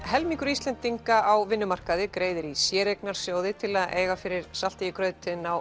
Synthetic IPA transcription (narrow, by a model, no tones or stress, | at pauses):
hɛlmiŋkʏɾist̪lɛnt̪iŋkaawvɪnːʏmar̥kaðɪkɾeːjðɪɾisjɛːɾeknaɾ̥sjoːwðɪt̪ʰɪlaðʔḛːjɣafɪɾɪɾ̥sal̥t̪ɪikɾœːɥt̪ɪnaw